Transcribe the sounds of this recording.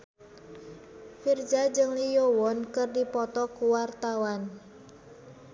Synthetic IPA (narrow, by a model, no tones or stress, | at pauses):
fird͡ʒad͡ʒɨŋlijowɔnkɨrdipɔt̪ɔkuwart̪awan